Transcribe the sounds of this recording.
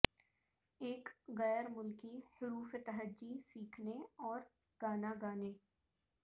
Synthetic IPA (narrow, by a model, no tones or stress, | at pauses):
eːkɣɛːɾmʊlkihʊɾuːfet̪ɐɦəd͡ʒːisiːkʰneɔːɾ | ɡ̥aːnaɡaːneː